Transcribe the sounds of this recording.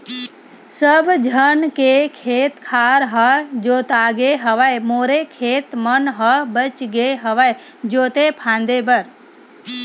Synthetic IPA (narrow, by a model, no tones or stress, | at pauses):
səbd͡ʒʱənkekʰeːt̪kʰaːɾɦəd͡ʒoːt̪aːɡeɦəʋajmoːɾekʰeːt̪mənɦəbət͡ʃɡeɦəʋajd͡ʒoːt̪epʰãːnd̪ebəɾ